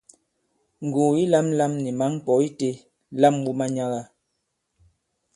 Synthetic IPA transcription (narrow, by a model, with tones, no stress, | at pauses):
ŋ̩˨ɡuː˨i˦la˦m˦la˦mni˨ma˨˦ŋ̩˦k͡pɔ˨˦i˦te˦ | la˦m˦bu˦ma˦ɲa˦ɣa˦